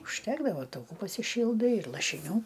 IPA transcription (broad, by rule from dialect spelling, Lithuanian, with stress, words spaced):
ʊʃʲˈtʲæːɡdɐʋoː tɐʊˈkuː pɐsʲɪˈʃʲiːlˠdɐɪ ɪr lˠɐʃʲɪˈnʲuː